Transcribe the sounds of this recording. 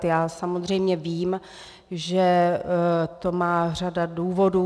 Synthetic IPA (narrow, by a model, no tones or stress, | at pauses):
jaːsamozr̝ɛjmɲɛviːm | ʒɛ | t̪o̞maːr̝adaduːvo̞duː